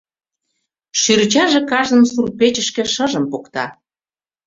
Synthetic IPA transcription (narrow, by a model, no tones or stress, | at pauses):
ʃyɾt͡ɕɑʒĕkɑʒə̆nsurpet͡ɕə̆ʃkĕʃəʒə̆mpokt̪ɑ̰